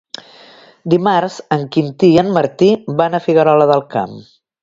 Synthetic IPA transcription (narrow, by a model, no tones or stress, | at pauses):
d̪imaɾzəŋkint̪iənməɾt̪ibanəfiɣəɾɔləðəlˠka̰m